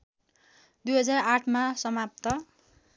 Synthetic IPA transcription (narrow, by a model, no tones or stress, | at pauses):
d̪ujɦʌd͡zaraʈʰmasʌmap̚t̪ʌ